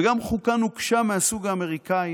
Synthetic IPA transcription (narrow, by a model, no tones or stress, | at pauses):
ɡamχukanukʃameasuɡaːme̞ʁikai